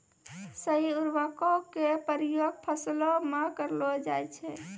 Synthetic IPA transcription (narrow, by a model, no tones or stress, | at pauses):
səiuɾbəkɔkepəɾijoɡ̚pʰəslɔmekəɾlɔd͡ʒajt͡ʃʰɛ